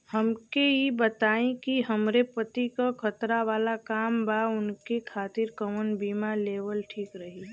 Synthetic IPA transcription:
həmkeibət̪aːẽkiɦəmɾepət̪ikakʰət̪ɾaʋaːlakaːmbʱaʊnkekʰaːt̪ɪɾkəmənbiːmaleːʋəlʈʰiːkɾəɦi

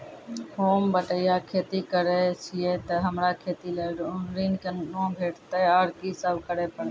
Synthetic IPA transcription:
hoːmbəʈəjaːkʰeːt̪iːkəɾeːt͡ʃʰɪeːt̪əɦəmɾaːkʰeːt̪iːleɾiːnkənɗõːbʱeːʈt̪əjaːɾkisəbkəɾeːpəɽe

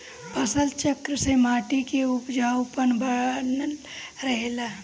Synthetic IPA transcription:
pəsəlt͡ʃəkɾəsemaːʈikeupd͡ʒaːʊpənbən | ɾəɦela

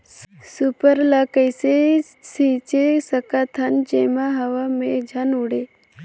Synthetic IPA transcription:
supəɾlakəjse | sit͡ʃesəkat̪ʰand͡ʒemaɦaʋamed͡ʒʱanuɽe

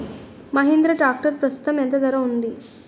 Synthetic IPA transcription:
mɐɦend̪ɾɐʈaːk̚ʈəɾpɾɐst̪u̥t̪ɐmjɐnt̪ɐd̪ɐɾɐɦund̪i

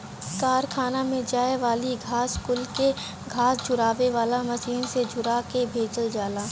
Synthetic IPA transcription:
kaːɾkʰaːnamẽd͡ʒaːeʋaːliɡʱaːskʊlke | ɡʱaːsd͡ʒʊɾaːʋeʋaːlamɐʃiːnsed͡ʒʱʊɾakebʱeːd͡ʒəld͡ʒaːlaː

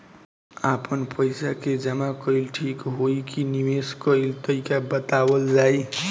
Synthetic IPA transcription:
apənpəjsaked͡ʒəmakʌilʈʰikɦoikiniweskʌilt̪əikabət̪abəld͡ʒaj

